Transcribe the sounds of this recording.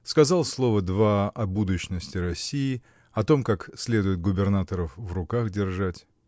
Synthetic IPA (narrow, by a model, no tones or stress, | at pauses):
skɐzalˠslˠo̞vəd̪vaɐbud̪ʊɕnəsʲtʲɪɾɐsʲiɪ | ɐt̪o̞mkaksʲlʲe̞d̪ʊjɪt̪̚ɡʊbʲɪrnat̪əɾəfvrʊkaxdʲɪrʐatʲ